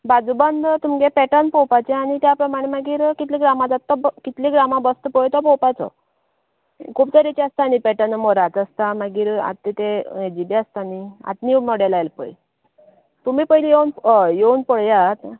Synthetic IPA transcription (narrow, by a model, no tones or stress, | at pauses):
bad͡zubənd̪t̪umɡepɛʈənpɔwpat͡ɕeaɽ̃it̪japɾəmaɽ̃emaɡiːɾkit̪liɡɾamad͡zat̪ːɔbkit̪liɡɾamabəst̪əpɔjt̪ɔpɔwpat͡sɔ̰ | kʰuːpt̪əɾit͡ɕiast̪anipɛʈənmɔɾat̪əst̪amaɡiːɾa̰t̪ːet̪ed͡ʑibiast̪ania̰t̪nimɔɽɛlajlpə̰j | t̪umiːpəɦilijewnjeunpəɽjat̪